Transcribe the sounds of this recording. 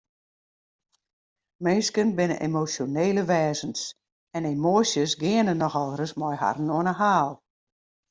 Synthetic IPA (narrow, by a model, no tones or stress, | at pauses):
meːskənbɪnə̰ʔḛmosjoneːləʋɛːzəns | ɛnemoəsjəsɡɪənənːɔxɔlˠrəsmɔjha̰rn̩oənəɦaːlˠ